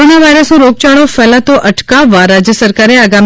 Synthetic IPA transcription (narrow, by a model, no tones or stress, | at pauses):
onjəʋajɾəsũɾok̚t͡ʃaɭofɛlat̪oʔəʈkaʋːaɾad͡ʒjəsəɾkaɾeaɡam